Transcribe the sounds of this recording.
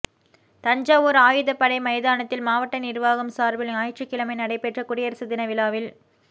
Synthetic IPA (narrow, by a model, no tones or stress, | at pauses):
t̪ɐɲd͡ʒaːʋoːɾaːjɯðɐpːɐɽɐɪmɐɪðaːnɐt̪ːɪlmaːʋɐʈːɐnɪɾʋaːɣɐmsaːɾbɪlaːjʈt͡ʃːɯkːɪlɐmɐɪnɐɽɐɪpːɛʈrɐkʊɽɪjɐɾsɯðɪnɐʋɪlaːʋɪl